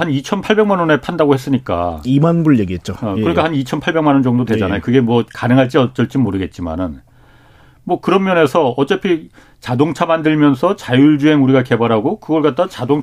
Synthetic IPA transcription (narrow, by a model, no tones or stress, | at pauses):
hanit͡ɕʰʌnpʰaɭbe̞ŋmanʌne̞pʰandaɡohe̞s͈ɯɲik͈a̰imanbuɭjeɡiɦet̚t͡ɕ͈okkɯɾʌnikʰahanit͡ɕʰʌnpʰaɭbe̞ŋmanʌnd͡ʑʌŋdotwe̞d͡ʑanajokɯɡe̞mwʌkanɯŋɦaɭt͡ɕ͈iʌt͡ɕ͈ʌɭt͡ɕ͈imoɾɯɡe̞t̚t͡ɕ͈ima̰nɯn | mwʌkɯɾʌmmjʌne̞sʰʌʌt͡ɕ͈epʰi | t͡ɕadoŋt͡ɕʰamandɯɭmjʌnsʰʌt͡ɕajuɭd͡ʑue̞ŋuɾiɡake̞baɾɦaɡokɯɡʌɭk͈at̚t͈at͡ɕadoŋ